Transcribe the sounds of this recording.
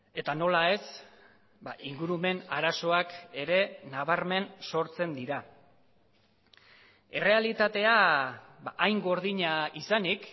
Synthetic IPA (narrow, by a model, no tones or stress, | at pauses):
e̞t̪ano̞lae̞s | baʔiŋɡuɾume̞naɾaso̞ake̞ɾe̞naβ̞aɾme̞nso̞ɾt͡se̞nd̪iɾa | e̞re̞alit̪at̪e̞abaʔːjŋɡo̞ɾð̞iɲaisanik